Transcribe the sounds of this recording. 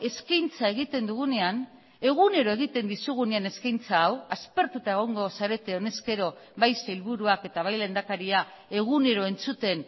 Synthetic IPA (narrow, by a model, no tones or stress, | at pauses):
e̞skajnt͡saeɣ̞it̪e̞nd̪uɣ̞une̞an | e̞ɣ̞une̞ɾoe̞ɣ̞it̪e̞nd̪isuɣ̞uneane̞skajnt͡saːwaspe̞ɾt̪ut̪ae̞ɣ̞o̞ŋɡo̞saɾe̞t̪e̞o̞ne̞ske̞ɾo̞βajsailβuɾuake̞t̪aβajlend̪akaɾia | e̞ɣ̞une̞ɾo̞e̞nt͡sut̪e̞n